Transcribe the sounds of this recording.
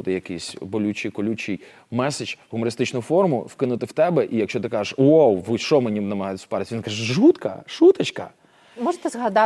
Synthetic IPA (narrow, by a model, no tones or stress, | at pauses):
t̪ɪjɐkijsʲbɔlʲut͡ʃijkɔlʲut͡ʃij | mɛset͡ʃɦʊmɔɾɪst̪ɪt͡ʃnʊfɔrmʊwkɪnʊt̪ɪwt̪ɛbɛʔijɐkʃt͡ʃɔt̪ɪkɑʒeʃwowʋʃt͡ʃɔmenʲinɐmɐɦɑjt̪spɛɾt̪ʲʋʲinkaʒɛʒut̪kɐ̰ʃut̪ɐt͡ʃkɐ̰ | mɔʒt̪ɛzɦɐd̪ɑ